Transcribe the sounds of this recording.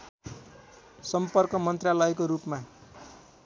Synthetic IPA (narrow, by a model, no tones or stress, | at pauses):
sʌmpʌrkʌmʌnt̪ralʌjkoɾupma